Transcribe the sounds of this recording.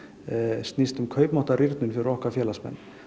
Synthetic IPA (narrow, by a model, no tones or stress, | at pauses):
st̪nist̪ʏmkʰœːɥpmɔht̪aɾɪɾt̪nʏnfɪɾɪɾɔhkafjɛːlasmɛ̰nː